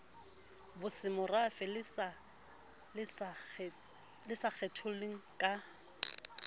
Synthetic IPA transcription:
bʊsɪmʊrafɪl | lɪsak͡xʰɛtʰʊleŋ̩kʼa

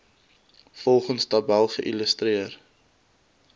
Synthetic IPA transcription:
fɔlˠχənsdɐbælˠχəʔiləstriər

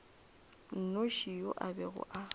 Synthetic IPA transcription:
n̩noʃijoʔabɛɣʊ̰ʔa

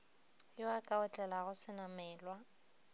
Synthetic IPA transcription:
joakʼaʊt͡ɬʼɛlaɣʊsɪnamɛːlwa

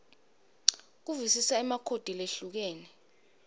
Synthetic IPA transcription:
k̬uvisisaɛmakʰod̥ʱileɬuk̬eːnɛ

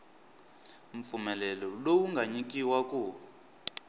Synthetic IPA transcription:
m̩p̪fumɛlɛlɔlowuŋɡʱaɲik̬ʼiwakʼuː

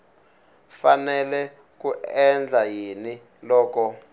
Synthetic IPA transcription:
fanɛlɛ | kuɛnd͡ɮʱajini | lɔːkɔ

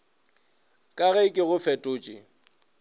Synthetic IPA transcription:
kʼaɣɛɪkʼɪɣʊfɛtʼʊːt͡ʃʼɪ̰

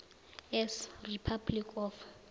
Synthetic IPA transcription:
ɛsripʰablikʰɔf

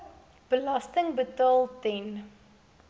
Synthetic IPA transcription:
b̥əlɐstəŋbətɑːlˠtɛn

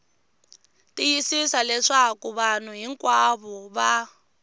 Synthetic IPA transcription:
tijisisalɛʂakuβan̤uɦiŋkʼwaβɔβa

